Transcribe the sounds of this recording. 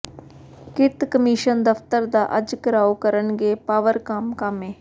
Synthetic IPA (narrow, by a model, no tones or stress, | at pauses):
kɪt̪kəmiːʃənd̪əft̪əɾd̪aːʔəd͡ʒkəɾaːokəɾənɡeːpaːʋəɾkəmkəmẽː